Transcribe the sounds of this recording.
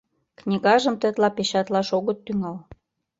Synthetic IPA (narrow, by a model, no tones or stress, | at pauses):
knʲiɣɑʒə̆mt̪ə̆t̪lɑpeɕɑt̪lɑʃoɣət̪ːyŋɑl